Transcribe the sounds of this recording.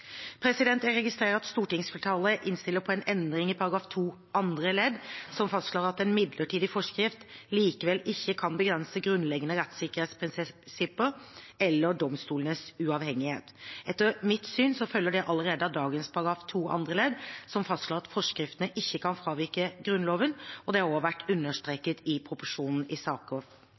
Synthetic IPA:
pʰɾɛsɪd̪ɛnt̪æɾɛɡɪst̪ɾeːɾəɑt̪st̪uːʈɪŋsfɛlʈʰɑːləʔɪnst̪ɪlːəpʰɔɛnɛnd̪ɾɪŋɪpʰɑɾɑɡɾɑːft̪ʰuː | ʔɑnd̪ɾəlɛd̪sɔmfɑst̪ʂɭoːɾɑt̪ɛnmɪd̪ləʈʰiːd̪ɪfɔʂkɾɪft̪liːkəʋɛlɪçːəkʰɑnbəɡɾɛnsəɡɾʉnlɛɡənəɾɛt̪sɪkəɾheːt̪spʰɾɪnsɪpːəɾɛlːəɖ̪ɔmst̪uːlənəsʉɑʋhɛŋːɪhḛːt̪ɛt̪ːəɾmɪt̪syːnsɔfœlːəɖɛʔɑləɾeːd̪əd̪ɑːɡənspʰɑɾɑɡɾɑːft̪ʰuːʔɑ̰nd̪ɾəlɛd̪sɔmfɑst̪ʂoːʁɑt̪fɔʂkɾɪft̪ənəʔɪçːəkʰɑnfɾɑːʋɪɾkəɡɾʉnloːʋənɔd̪ɛhɑʁoːʋæʈːʉnːəʂʈ̪ɾeːkət̪ɪpʰɾʊpʊʂuːnn̩ɪsɑːkɔʋ

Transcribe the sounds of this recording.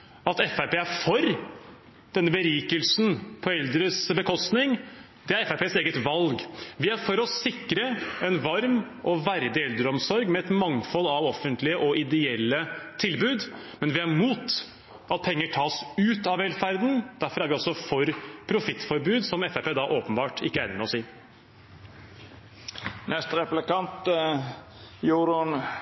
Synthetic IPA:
ɑt̪ɛfæpeːæfɔɾ | d̪̥ɛnːəbəɾiːkəlsn̩pʰɔɛld̪ɾəsbəkʰɔst̪nɪŋ | d̪ɛæɾɛfæpʰeːseːɡət̪ʋɑlɡʋɪæɾfɔɾɔsɪkːɾəɛnʋɑɾm | ʔɔʋæɾd̪ɪɛld̪ɾəɔmsɔɾɡmɛɛt̪mɑŋfɔlɑʋɔfːənt̪lɪəʔɔʔɪd̪ɛɛlːət̪ʰɪlbʉːd̪ | mɛnʋɪæɾmuːt̪ | ʔɑt̪̚pʰɛŋːəʈʰɑːsʉːt̪ɑʋeːlfæɾd̪n̩d̪̥æɾfɔɾæɾʋɪɔsɔfɔɾpʰɾʊfɪt̪ːfɔɾbʉːd̪sɔmɛfepeːd̪ɑʔoːpənbɑːʈʰɪkːəæːɾnmɛɔsiː | nɛst̪ɾɛplɪkɑnt̪ | juːɾʊn

